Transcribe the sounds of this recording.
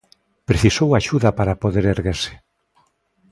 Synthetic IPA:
pɾeθisowaʃuðɐpaɾapoðeɾeɾɣeɾsɪ̥

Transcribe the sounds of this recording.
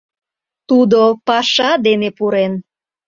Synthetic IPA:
t̪ud̪opɑʃɑd̪enepuɾen

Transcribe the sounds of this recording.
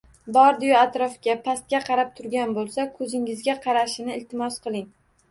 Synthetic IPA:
bɒɾd̪ɪjʊat̪ɾɒfkʲapʰast̪̚kʲaqʰɑɾap̚t̪ʰʊɾɡʲanbolˠsakʰɵzɪŋɪzɡʲaqʰɑɾaʃɪnɪɪlt̪ʰɪmɒsqʰɨlˠɪŋ

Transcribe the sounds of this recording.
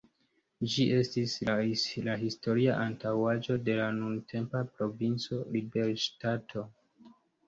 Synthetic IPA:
d͡ʒiʔe̞stislaɦisto̞ɾiaʔantawad͡ʒo̞de̞lanuntʰe̞mpapɾo̞vint͡so̞libe̞ɾʃtatʰo̞

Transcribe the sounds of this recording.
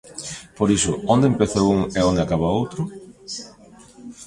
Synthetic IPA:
poɾisʊond̪empeθowuŋeõnd̪eakaβaowt̪ɾʊ

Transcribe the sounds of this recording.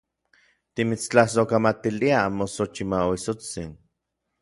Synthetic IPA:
t̪imit͡st͡ɬahs̬okamat̪iliamosot͡ʃimaoisot͡sin

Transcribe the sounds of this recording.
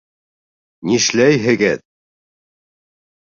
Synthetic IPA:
niʃlæjɦɘ̆ɡɘð

